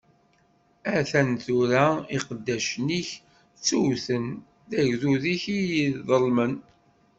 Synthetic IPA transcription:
æθænθuɾæiqəd̪ːæʃniç | t͡sːuwθən | ðæʝðuðiçijiððˤəlmən

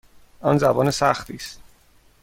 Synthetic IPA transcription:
ʔɒnzæbɒːnesæxt̪ʰiːst̪

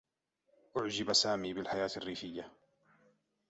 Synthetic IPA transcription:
ʔʊʕd͡ʒɪbasaːmiːbɪlħajaːt̪arːiːfɪjːa

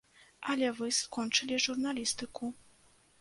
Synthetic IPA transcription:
ʔalʲɛvɨskɔnt͡ʂɨlʲiʐurnalʲist̪ɨku

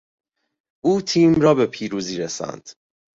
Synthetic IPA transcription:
ʔuːt̪ʰiːmɾɒːbe̞pʰiːɾuːziːɾesæ̰nd̪̥

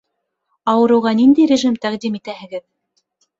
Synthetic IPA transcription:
ɑwɤ̆ɾɤ̆wʁɑnind̪æjɾʲeʒimt̪æqd̪imit̪æhɘ̆ɡɘð

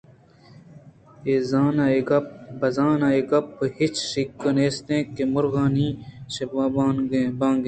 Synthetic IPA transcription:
eːzaːnaeɡɐpbɐzaːnaeɡɐpːhit͡ʃsikːɐneːst̪ẽːkemʊɾɣaːnĩːsebaːbaːnɡebãːŋɡẽ

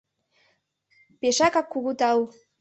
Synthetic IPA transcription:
peʃakɑkːuɣut̪ɑw

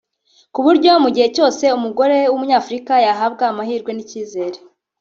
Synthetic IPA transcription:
kuβuɾɟomuɟihe̞co̞ːse̞umuɡo̞ɾe̞wumuɲaːfuɾikajaɦabɡaːmahiːɾɡwe̞niciːze̞ːɾe

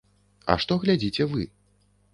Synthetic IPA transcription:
ɐ̰ʂt̪ɔɣlʲad͡zʲit͡sʲɛvɨ̰

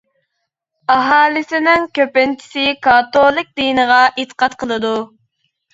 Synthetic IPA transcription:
ɑɦɑːlˠɪsɪnɪŋkʲøpɪnt͡ʃʰi̥sɪkɑt̪olˠɨk̚ʲd̪inəʁɑʔet̪ʰə̥qʰɑt̪qʰəlˠɨd̪u

